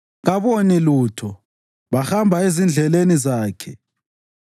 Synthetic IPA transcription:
ɣaβoniluːtʰɔ | βaxambʱaezind͡ɮʱɛlenizaːkʰɛ

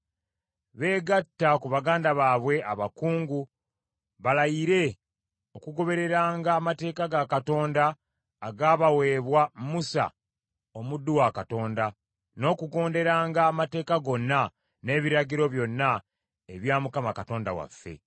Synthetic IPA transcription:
βe̞ːɡatːakuβaɡaːndaβaːβwe̞aβakuːŋɡu | βalajiɾe̞ | o̞kuɡo̞βe̞ɾe̞ɾaːŋɡaːmate̞ːkaɡakato̞ːndaː | ɡaːβawe̞ːβwamusa̰ | o̞mudːuwakato̞ːnda | no̞ːkuɡo̞ːnde̞ɾaːŋɡaːmate̞ːkaɡo̞nːa | ne̞ːβiɾaɟiɾo̞βjo̞nːa | eβjaːmukamakato̞ːnda̰wa̰fːe̞̰

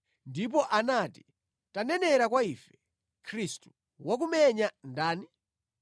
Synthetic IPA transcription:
ndip̬ɔʔanati̥ | tanɛnɛɾakwaifɛ̥ | kʰɾistu̥ | wak̬umɛɲandaːni

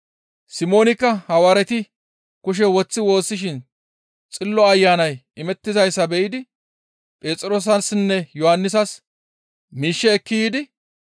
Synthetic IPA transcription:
sɪmo̞ːnɪkːɐhɐwɐɾɛt̪ɪ | kʊʃ̬ɛwɔt͡sːɪwo̞ːsːɪʃɪn | t͡sʼɪlːɔɐjːaːnɐjɪmɛt̪ːɪzɐjsːɐbɛʔɪd̪ɪ | pʼeːt͡sʼɪɾo̞ːs̬ɐnsnːɛjɔhɐnːɪs̬ɐs | miːʃːɛːkːɪjiːd̪ɪ

